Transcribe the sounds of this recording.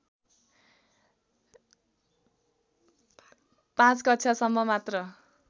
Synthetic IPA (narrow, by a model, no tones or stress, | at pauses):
pãt͡skʌtːt͡sʰasʌmːʌmat̪rʌ